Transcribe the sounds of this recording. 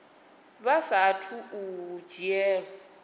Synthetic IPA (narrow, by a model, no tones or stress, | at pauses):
βasatʰuud͡ʒiɛː